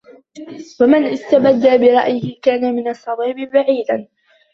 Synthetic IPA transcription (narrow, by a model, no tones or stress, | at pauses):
famanʔɪst̪abad̪ːaːbɪɾˤɑ̰ʔjɪhɪkaːnamɪnɑsˤːɑd̪ˤiːbɪbaʕiːd̪an